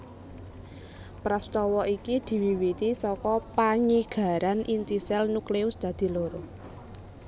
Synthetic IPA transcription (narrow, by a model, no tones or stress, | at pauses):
pɾast̪ɔwɔʔikid̪̥i̤wiwiɾisɔkɔpaɲiɡ̥a̤ɾanʔint̪isɛlnukleʊsd̪̥ä̤d̪̥i̤loɾo